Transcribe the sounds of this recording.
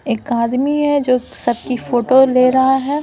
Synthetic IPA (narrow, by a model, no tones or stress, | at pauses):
eːkaːd̪miɦɛd͡ʒoː | sɐb̚kifʰoːʈoleːɾɐɦaɦɛː